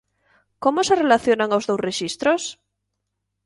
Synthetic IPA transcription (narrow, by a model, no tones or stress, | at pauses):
komoserelaθjonaŋawzðowsreʃist̪ɾos